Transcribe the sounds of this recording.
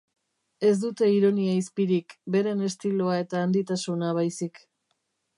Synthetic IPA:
e̞s̬d̪ut̪e̞iɾo̞niaispiɾikbe̞ɾe̞ne̞st̪iloae̞t̪aːnd̪it̪asunaβ̞ajsik

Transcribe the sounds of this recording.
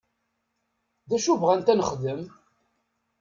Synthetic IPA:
ðæʃuvʁænt̪ænəχðəm

